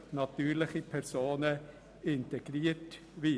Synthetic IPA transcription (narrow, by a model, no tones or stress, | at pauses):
nɑt̪yːɾlɪχipʰɛɾsoːnə | ɪntɛɡ̥ɾiːət | ʋi